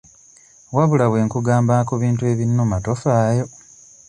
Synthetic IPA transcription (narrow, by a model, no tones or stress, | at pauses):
waβulaβwe̞ːŋkuɡaːmbakuβiːntue̞ːβinːomato̞faːjo̞